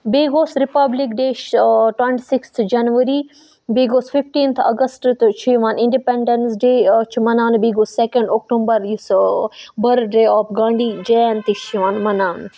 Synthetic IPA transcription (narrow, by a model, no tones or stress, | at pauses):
beːɡoːsɾɪpɐblɪkɖeːʃʈwɐ̃ɳʈisɪkst̪ʰd͡ʒɐnʋəɾi | beːɡoːsfɪfʈiːnt̪ʰɐ̰ɡəsʈt̪t͡ʃʰiʋaːnɪ̃ɳɖipẽɳɖənsɖeːt͡ʃʰmɐnaːnbeːɡoːsːekə̃ɳɖoːk̚ʈõːmbəɾjis | bɐɾɖeːɔːfɡãːɳɖiːd͡ʒeːnt̪it͡ʃiʋãːnmɐnaːn